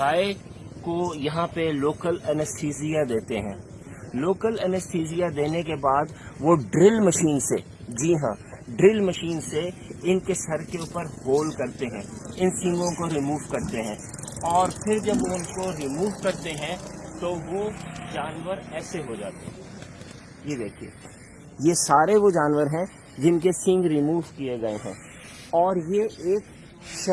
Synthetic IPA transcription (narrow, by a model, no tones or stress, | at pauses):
aːe | kojɐɦãpeloːkəlɛnəsʈʰiːsijad̪eːt̪eɦɛ̰̃ː | loːkəlɛnəsʈʰiːzijad̪eːnekebaːd̪ʋoɖɾɪlmɐʃiːnse | d͡ʒiːɦã̰ːɖɾɪlmɐʃiːnseɪnkesɐɾkeuːpəɾhoːlkɐɾt̪eɦɛ̰̃ːɪnsĩːŋɡõkoɾimuːʋkɐɾt̪eɦɛ̃ː | ɔːɾpʰɪɾd͡ʒɐbʊnkoɾimuːʋkɐɾt̪eɦɛ̃t̪oʋod͡ʒaːnʋəɾɛːseɦod͡ʒa̰ːt̪ḛɦɛ̃ | jed̪eːkʰiḛː | jesaːɾeʋod͡ʒaːnʋəɾɦɛ̃ | d͡ʒɪnkesɪ̃ŋɡɾimuːʋkieɡɐeɦɛ̰̃ː | ɔːɾjeeːk | ʃ